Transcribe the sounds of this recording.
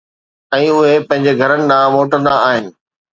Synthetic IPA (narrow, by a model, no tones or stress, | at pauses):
ɛ̃ːʊɦepɐ̃ɦɪ̃ɲ̆d͡ʑeɡʱɐɾənɪ̆ɗ̪ãmoːʈə̃nd̪aaːɦɪnɪ̆